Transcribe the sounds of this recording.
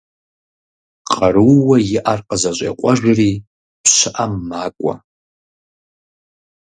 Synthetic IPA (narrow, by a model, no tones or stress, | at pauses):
qʼaruwajiʔarqʼazaʒʷʼa̰qʷʼaʒᶣari | pʰʃʷɨʔamːakʷʼa̰